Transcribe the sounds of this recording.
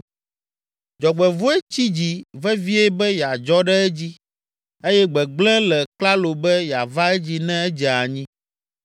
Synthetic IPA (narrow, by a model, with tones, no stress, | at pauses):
d͡ʒɔ˨ɡ͡bɛ˨vo˦ɛ˦t͡ɕi˦d͡ʑi˦vɛ˦vi˦eɛ˦bɛ˦ja˨d͡ʒɔ˦ɖɛ˦ɛ˦d͡ʑi˦ | e˦jɛ˦ɡ͡bɛ˨ɡ͡blɛ̃˦lɛ˨k͡pla˦lo˨bɛ˦ja˨va˦ɛ˦d͡ʑi˦nɛ̃˦ɛ˦d͡ʒɛ˨a˨ɲĩ˦